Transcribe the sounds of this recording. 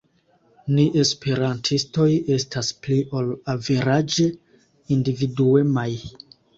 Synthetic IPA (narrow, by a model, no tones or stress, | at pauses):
niʔe̞spe̞ɾantʰisto̞je̞staspliʔolaveɾad͡ʒe̞ | individue̞maj